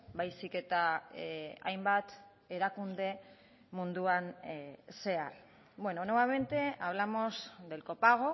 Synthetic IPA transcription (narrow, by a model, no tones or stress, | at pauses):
bajsike̞t̪a | a̰jmbat̪ | eɾakund̪e̞ | mund̪uanse̞aɾ | bwe̞no̞noβaβent̪e̞aβ̞lamo̞zd̪e̞lko̞paɣ̞o̞